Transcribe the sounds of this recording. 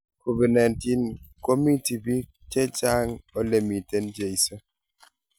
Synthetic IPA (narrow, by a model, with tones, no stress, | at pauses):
ko˨bɛ˨na˨nti˦nko˦mi˦ti˨bi˦ | t͡ʃe˦t͡ʃa˦ŋo˦le˦˨mi˨te˦nd͡ʒe˨i˨sə˦